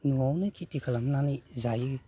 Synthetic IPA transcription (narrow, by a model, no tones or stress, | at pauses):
nuawnɯkʰitikʰalamnanizaj